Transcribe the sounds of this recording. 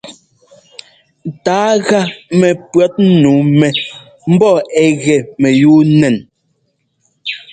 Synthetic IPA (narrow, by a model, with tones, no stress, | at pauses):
taː˨˦ɣa˦mɛ˨pɰɔ˦t̩̚˦nuː˨˦mɛ˨ | m̩˦bɔ˦˨ɛ˨ɣɛ˨mɛ˨juː˦nɛ˨n